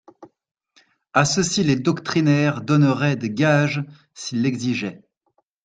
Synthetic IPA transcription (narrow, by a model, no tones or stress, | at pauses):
asəsiled̪ɔkt̪χinɛʁd̪ɔnəʁɛd̪əɡaʒ | silːɛɡziʒɛ